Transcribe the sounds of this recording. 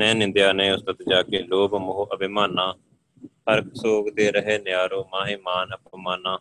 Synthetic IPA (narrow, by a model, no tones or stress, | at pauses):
nɛ̃ːnɪ̃nd̪jaːnẽːʊst̪ət̪d͡ʒaːkeːloːbmʊɦoːʔəbɪmaːnːãː | həɾksoːɡd̪eːɾəɦeːnjaːɾoːmãːɦiːmaːnəpʰmaːnãː